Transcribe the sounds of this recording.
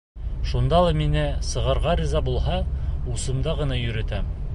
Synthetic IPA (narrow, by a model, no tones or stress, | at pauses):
ʃund̪ɑlˠɑminɘsɤ̆ʁɤ̆ɾʁɑɾʲizɑbulˠɦɑusɤ̆md̪ɑʁɤ̆nɑjɵ̆ɾɘ̆t̪æ